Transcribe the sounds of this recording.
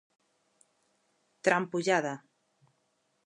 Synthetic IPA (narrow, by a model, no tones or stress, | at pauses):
t̪ɾampuʒaða